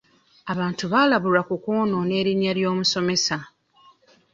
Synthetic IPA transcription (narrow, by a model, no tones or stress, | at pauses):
aβaːntuβalaβuɾakukoːno̞ne̞ːɾinjaljo̞ːmuso̞me̞sa